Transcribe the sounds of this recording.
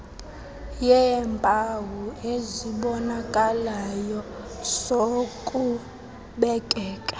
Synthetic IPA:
jɛmpʼawueziɓɔnakʼalajɔ | z̥okʼu | ɓɛkʼɛːkʼḁ

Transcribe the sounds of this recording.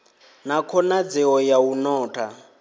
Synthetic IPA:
nakʰɔnad͡zɛɔjaunɔːtʰa

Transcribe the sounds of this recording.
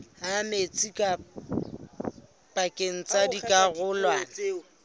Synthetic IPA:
amet͡sʼikʼa | pʼakʼeŋ̩t͡sʼadikʼaɣʊːlwaː

